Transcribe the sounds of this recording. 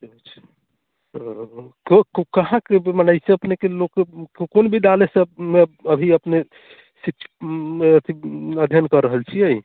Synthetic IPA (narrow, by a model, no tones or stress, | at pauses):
t̪it͡ʃʰ | ɦkkkəɦãkemənəɪsẽəpnekelokkonbʱid̪alesəb̚mebəbʱiəpne | sikʃʰət̪ʰiəd̪ʱjənkəɾːəɦəlt͡ʃʰiej